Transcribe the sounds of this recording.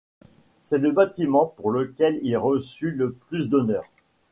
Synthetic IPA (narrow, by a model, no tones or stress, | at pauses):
sɛləbat̪imɑ̃puʁləkʲɛlilʁəsyləplysd̪ɔnœːʁ